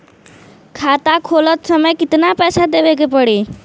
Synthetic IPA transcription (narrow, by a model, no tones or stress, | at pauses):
kʰat̪akʰolət̪səməjkit̪napɛsad̪eʋek̬epəɽi